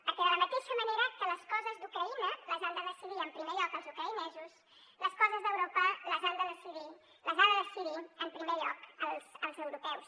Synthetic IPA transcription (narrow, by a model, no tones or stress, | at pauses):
pəɾkɛðələmət̪eʃəməneɾəkələskɔzəzd̪ukɾəinələzand̪əðəsiðiəmpɾimeʎɔkəlˠzukɾəinɛzus | ləskɔzəzðəwɾopələzand̪əðəsiði | ləzand̪əðəsiðiəmpɾimeʎɔkəlˠsəlˠzəwɾupɛws